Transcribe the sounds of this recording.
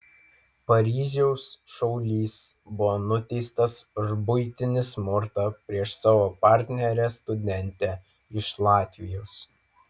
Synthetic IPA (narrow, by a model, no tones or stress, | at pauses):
pɐɾʲiːʒʲɛʊsʃɔʊlʲiːsbʊʋoːnʊt̪ʲɛɪst̪ɐsʒbʊɪt̪ʲɪnʲɪsmʊɾt̪ɑpʲɾʲiɛʃsɑːʋoːpɑˑɾʲt̪ʲnʲɛɾʲɛst̪ʊd̪ʲɛnʲt̪ʲɛ | ɪʃlˠɑːt̪ʲʋʲɪjoːs